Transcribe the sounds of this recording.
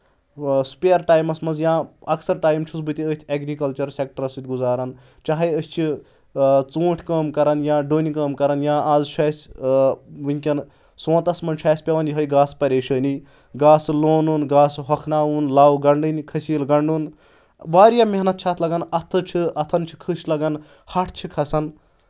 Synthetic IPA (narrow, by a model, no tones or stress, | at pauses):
su̥peɐɾʈaːjmɐsmɐnzjãːɐksɐɾʈaːjmt͡ʃʰusbɨt̪iəːsʲt̪ʰʲeɡɾikɐlt͡ʃɐɾsek̚ʈɐɾɐsit̪̚ɡuzaːɾɐn | t͡ʃaɦɐjəst͡ʃʰi | t͡suːʈʰkəːmkɐɾɐnjãːɖoːnikəːmkɐɾɐnjãːʔaːzt͡ʃʰaːsʲ | ʋɨŋkʲɐn | sõːt̪ɐsmɐnt͡ʃʰaːsʲpʲɐʋɐnjiɦɐjɡaːspɐɾʲeːʃəːni | ɡaːsloːnunɡaːsɦɐkʰnaːunlaːwɡɐɳɖɨnikʰɐsiːlɡɐɳɖun | ʋaːɾijameɦnɐt̪̚t͡ʃʰat̪ʰlɐɡɐnɐt̪ʰɨt͡ʃʰiɐt̪ʰɐnt͡ʃʰi̥kʰɨʃlɐɡɐn | hɐʈʰt͡ʃʰikʰɐsɐn